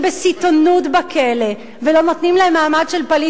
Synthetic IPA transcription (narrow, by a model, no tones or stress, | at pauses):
besit̪onutbakʰele | velo̞not̪nimleemːaːmadʃelpoli